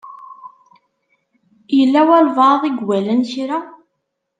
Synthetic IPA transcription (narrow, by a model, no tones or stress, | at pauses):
jəlːæwælvɑðˤiɡwælənçɾæ